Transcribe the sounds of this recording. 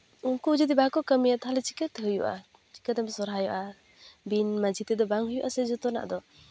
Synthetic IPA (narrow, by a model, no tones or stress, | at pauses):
uŋkud͡ʒidibakɔkamijat̪ʰalet͡ʃi̥kat̪hɯjuʔa̰ | t͡ʃi̥kademsɔɾɦajɔʔa | binmad͡ʒit̪ed̪ɔbaŋhɯjuʔasezɔt̪ɔna̰ʔd̪ɔ